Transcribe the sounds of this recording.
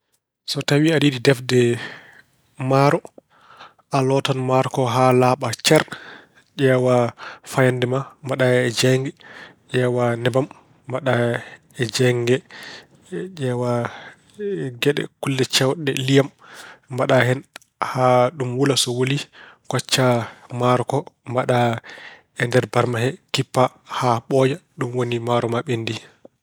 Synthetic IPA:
sɔtawiadiɗidɛfdɛ | maɾɔ | alɔtanmaɾɔkɔɦalaːɓat͡ʃɛɾ | d͡ʒɛːwafajandɛmambaɗaɛd͡ʒɛŋɡɛʔɛːwanɛbamː | aɗa | ɛd͡ʒɛŋɡɛ | d͡ʒɛːwa | ɡɛɗɛ̰kulːɛt͡ʃawɗɛ̰lijamːbaɗahɛn | haɗumwulasɔwolikɔt͡ʃːamaɾɔkɔmbaɗa | ɛndɛɾbaɾmaɦɛkipːa | haɓɔjaɗumwonimaɾɔmaɓendi

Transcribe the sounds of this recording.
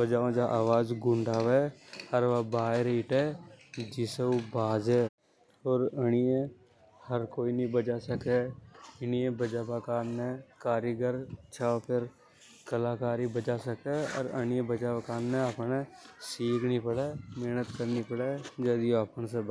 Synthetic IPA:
bəd͡ʒaːõd͡ʒaʔaːʋaːd͡ʒɡʊ̃ɳɖaːʋɛːhəɾʋabaːeɾeːʈɛːd͡ʒɪseobaːd͡ʒɦɛː | ɔːɾəɽ̃ijẽ | həɾkoːinĩbəd͡ʒasəkeɪniẽbəd͡ʒaːpakaːnːẽkaːɾjəɡəɾt͡ʃʰaːopʰɪɾ | kəlaːkaːɾibəd͡ʒaːsəkeɔ̰ːɾəñijẽbəd͡ʒapəkaːnːẽəpnesiːkʰnipəɽeːmeːnət̪kəɾnipəɽeːd͡ʒɛːd̪ioapənse

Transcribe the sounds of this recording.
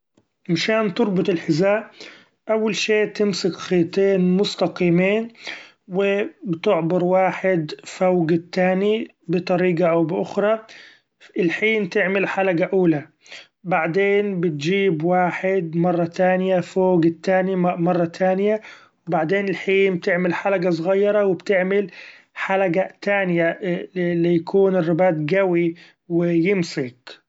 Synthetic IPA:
mʃaːnt̪ʊɾˤbʊt̪ˤɪlħɪzaːʔ | ʔawːalʃeːt̪ɪmsɪkxiːt̪eːnmʊst̪ɑqiːmiːn | wɪbɪt̪ɪʕbɪɾwaːħɪd̪fawɡt̪ːaːni | bɪt̪ˤɑɾiːɡaʔawbɪʔʊxɾˤɑ | ɪlħiːnt̪ɪʕmɪlħalaɡaʔuːla | baʕd̪eːnbɪt̪̚d͡ʒiːbwaːħɪd̪mɑrˤːɑt̪aːnɪjafoːɡt̪ːaːnimɑrˤːɑt̪ʰaːnɪja | wbaʕd̪eːnɪlħiːnb̚t̪ɪʕmɪlħalaɡas̬ˤʊɣɑjːɑɾˤɑwɪbt̪ɪʕmɪl | ħalaɡat̪aːnjalɪjakʰuːnɪrːɪbaːt̪̚ɡawi | wɪjɪmsɪk

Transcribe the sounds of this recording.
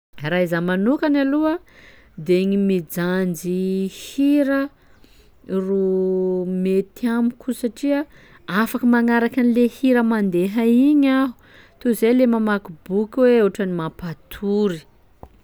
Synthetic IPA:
raizamanukanaluə | d̪eŋimid͡zand͡zihiɾə | ru | met̪iamikʰusaʈ͡ʂia | afakəmaŋaɾakanilehiɾəmand̪eɦaiɲaɦu̥ | t̪uzelemamakibukʲweeʈ͡ʂanimapat̪ʰuɾi

